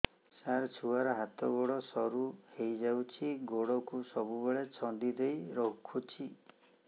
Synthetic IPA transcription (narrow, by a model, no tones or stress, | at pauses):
saɾt͡ʃʰuaɾɔɦat̪ɔɡoɽɔsɔɾuhejd͡ʒawt͡ʃʰiɡoɽɔkusɔbubeɭet͡ʃʰɔnd̪id̪ejɾɔkʰːut͡ʃʰi